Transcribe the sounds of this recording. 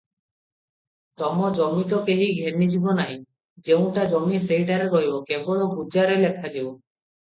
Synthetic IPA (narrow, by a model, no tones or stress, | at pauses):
t̪ɔmɔd͡ʒɔmit̪ɔkeɦiɡʱenid͡ʒibɔnaɦĩ | d͡ʒew̃ʈad͡ʒɔmisejʈaɾeɾɔɦjbɔkebɔɭɔɡud͡ʒaɾelekʰad͡ʒew